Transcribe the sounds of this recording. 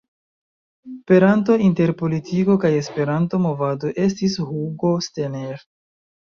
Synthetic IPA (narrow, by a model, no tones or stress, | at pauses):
spe̞ɾanto̞inte̞ɾpo̞litʰiko̞kaje̞spe̞ɾanto̞mo̞vado̞ʔe̞stishuɡo̞steneɾ